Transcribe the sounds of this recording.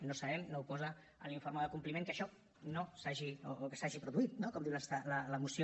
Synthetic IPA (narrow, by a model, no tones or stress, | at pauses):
nosɐβɛmnowpɔzə | ə̰nliɱfoɾməðəkumplimẽŋkəʃɔ | nosaʒioːkəsaʒipɾuðuit̪̚nokɔmd̪iwləsalələmusio